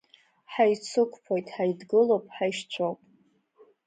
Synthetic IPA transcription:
ħajt͡sʰɨkʷʰʼpʰojtʼħajdɡɨlopʼħajʃt͡ɕʷʰowpʼ

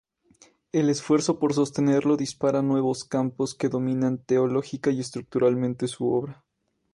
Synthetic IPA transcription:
e̞le̞sfwe̞ɾso̞po̞ɾs̬o̞st̪e̞ne̞ɾlo̞ðispaɾanwe̞βo̞skampo̞ske̞ðo̞mĩnant̪e̞olo̞xikaie̞st̪ɾuk̚t̪uɾalmẽnt̪e̞suo̞βɾa

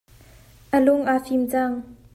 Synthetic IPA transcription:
ʔəlʊŋʔafimt͡saŋ

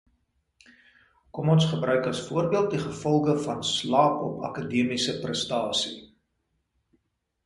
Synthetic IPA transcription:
kɔmɔnsχəbrœɥkɐsfuərbiəlˠt̚diχəfɔlˠɡəfɐnslɑːpɔ̰pɐ̰kadiəmisəprəstɑːsḭ

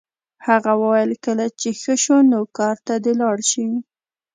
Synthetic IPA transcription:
haɣawəwajəlkəlat͡ʃexəʃonokɑɾt̪ad̪elɑɽʃi

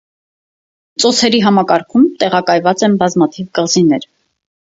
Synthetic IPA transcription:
t͡sɔt͡sʰɛɾiɦɑmɑkɑɾkʰumt̪ɛʁɑkɑjvɑt͡sɛnbɑzmɑt̪ʰivɡəlzinɛɾ

